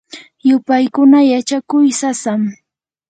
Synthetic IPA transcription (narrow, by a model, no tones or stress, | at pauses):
jʊpajkʊnajat͡ʃakʊjsasam